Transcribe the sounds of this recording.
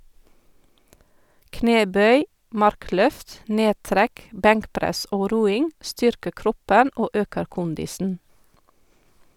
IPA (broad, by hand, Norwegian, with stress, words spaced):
ˈkneːˌbœʏ ˈmɑɾˌklœft ˈneːˌtɾæk ˈbæŋkˌpɾæs ˈoː ˈɾuːɪŋ ˈstʏɾkəɾ ˈkɾɔpən ˈoː ˈøːkəɾ ˈkʊndɪsn̩